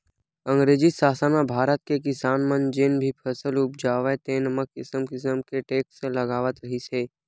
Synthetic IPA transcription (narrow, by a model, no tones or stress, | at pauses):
ə̃ŋɡɾeːd͡ʒisaːsənabʱaːɾət̪̚kekɪsaːnmənd͡ʒenbʱipʰəsəlʊp̚d͡ʒaːʋet̪eːnəməkːɪsəmkɪsəmkeʈeːkseləɡaːʋət̪ɾəɦiseː